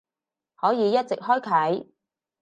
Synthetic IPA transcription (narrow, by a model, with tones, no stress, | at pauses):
hɔː˨˥jiː˨˧jɐ˥t̚t͡sɪ˨k̚hɔː˥jkʰɐ˨˥j